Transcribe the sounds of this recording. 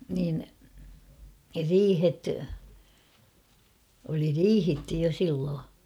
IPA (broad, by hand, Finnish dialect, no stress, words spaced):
niːn riːhet oli riːhitːy jo silːoː